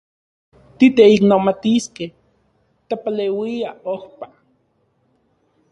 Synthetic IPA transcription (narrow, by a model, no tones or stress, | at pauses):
t̪it̪eiknomat̪iskeh | t̪apalewiaohpa